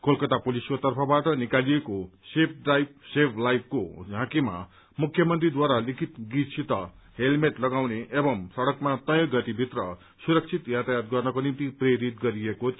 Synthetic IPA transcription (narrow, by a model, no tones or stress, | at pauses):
kʰolkʌt̪apoliskot̪ʌrpʰʌbaʈʌnikalijekosep̚ʰɖajp̚sepʰlajb̚kod͡zʱãkima̰ | mukʰjʌmʌnt̪rid̪waɾalikʰit̪ɡisʰit̪ʌ | ɦelmeʈlʌɡawneʔebʌmsʌɽʌkmat̪ʌjʌ̃ɡʌt̪ibʱit̪rʌ | suɾʌk̚t͡sʰit̪jat̪ajat̪ɡʌrnʌkonimt̪ipreɾit̪̚ɡʌɾieko